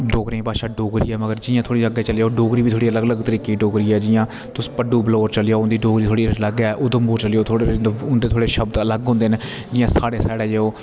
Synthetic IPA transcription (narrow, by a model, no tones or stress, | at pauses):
ɖoːɡɾẽːpaːʃaːɖoːɡɾiːɛːməɡəɾd͡ʒɪːãːt̪ʰoːɽiːəɡeːt͡ʃəljaoːɖoːɡɾiːbiːt̪ʰoːɽiːələɡələɡt̪əɾiːkeːɖoːɡɾiːɛːd͡ʒɪjãː | t̪ʊspəɖuːbloːɾt͡ʃəljaːnd̪iːɖoːɡɾiːt̪ʰoːɽiːləɡɛːʔʊd̪əmbuːɾt͡ʃəljoːt̪ʰoɽʊnd̪eːt̪ʰoːɽeːʃəbd̪ələɡɦʊ̃ːnd̪eːne | d͡ʒɪːjãːsaːɽeːsaːɽeːjeoː